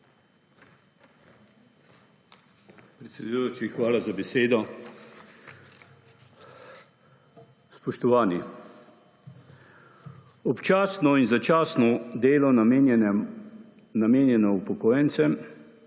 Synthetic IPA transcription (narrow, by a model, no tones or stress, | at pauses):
pɾɛt̪sʲɛd̪ujoːt͡ʃixʋaːlazabɛseːd̪ɔ | spɔʃt̪ɔʋaːni | ɔpt͡ʃaːsnɔinzat͡ʃaːsnɔd̪eːlɔn | nameːnjɛnɔupɔkɔːjɛnt̪sɛm